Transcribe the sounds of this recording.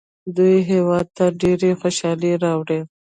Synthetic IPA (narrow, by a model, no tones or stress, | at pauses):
d̪ujɦewɑd̪̚t̪aɖeɾexoʃɑleɾɑwɽe